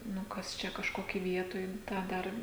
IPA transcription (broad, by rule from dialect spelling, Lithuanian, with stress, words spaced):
ˈnʊ ˈkɐs ˈt͡ʃʲɛ kɐʃˈkoːkʲiː ˈʋʲiɛtoːj ˈtɑː ˈdɐr